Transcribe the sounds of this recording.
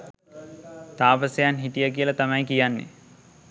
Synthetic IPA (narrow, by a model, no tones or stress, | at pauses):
t̪aːpəsejanɦit̪ijəkiəlat̪amajkijanːḛ